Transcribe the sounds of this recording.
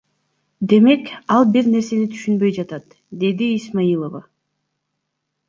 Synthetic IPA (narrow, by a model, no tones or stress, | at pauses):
d̪e̞me̞kɑlˠbiɾne̞ɾse̞nit̪ʰy̥ʃynbø̞jd͡ʒɑt̪ɑt̪ | d̪e̞d̪iːsmajilˠova